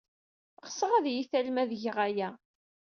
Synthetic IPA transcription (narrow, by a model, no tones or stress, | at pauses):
ʁəsˤəʁæðjiθælmæðʝəʁæjæ